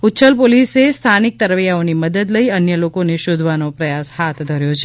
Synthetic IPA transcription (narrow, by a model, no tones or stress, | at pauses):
utːt͡ʃəlpolisest̪ʰanik̚t̪əɾʋjaoniməd̪əd̪ləiənjəlokoneʃod̪ʱʋanopɾəjashat̪ʰd̪ʱəɾjot͡ʃʰe